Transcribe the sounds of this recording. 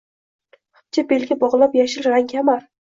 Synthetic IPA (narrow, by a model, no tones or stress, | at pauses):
χʊ̥pt͡ʃʰabelɡʲabɒʁlˠapjaʃɪlɾaŋkʲʰamaɾ